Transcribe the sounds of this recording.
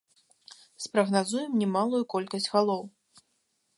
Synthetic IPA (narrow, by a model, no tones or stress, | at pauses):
spɾɐɣnazujɛmnʲɛmalˠujukɔlʲkɐsʲd͡zʲɣalˠɔw